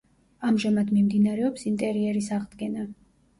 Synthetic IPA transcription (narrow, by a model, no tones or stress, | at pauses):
amʒamad̪mimd̪inaɾɛɔpsint̪ʼɛɾiɛɾisaʁd̪ɡɛna